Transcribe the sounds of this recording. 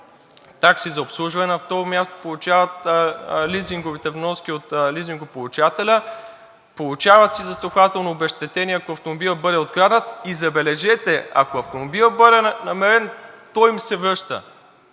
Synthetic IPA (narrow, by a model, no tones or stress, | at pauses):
t̪aksizɐopslˠuʒvɐnɛnɐft̪ɔɾomʲjast̪o̥polˠut͡ʃavɐt̪liziŋɡovit̪ɛvnɔsk̟ʲiot̪liziŋɡopolˠut͡ʃat̪ɛlʲə | polˠut͡ʃavɐt̪sizɐst̪oxvat̪ɛlˠnoːbɛʃt̪ɛt̪ɛniɐkoɐft̪omobilˠəbɤd̪ɛot̪̚kɾad̪ət̪izɐbɛlɛʒɛt̪ɛɐ̰koɐft̪omobilˠəbɤd̪ɛnɐmɛɾɛnt̪ɔjmsɛvɾɤʃt̪ə̰